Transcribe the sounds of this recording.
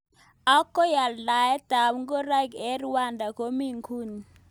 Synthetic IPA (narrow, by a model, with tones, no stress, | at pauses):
a˦kːɔ˦ja˨lla˨jɛ˦d̥a˨mŋɡo˦ɾa˦ɡɛ˦ɾwa˦˨nda˨ko˦mi˦ŋkʰu˦˨ni˨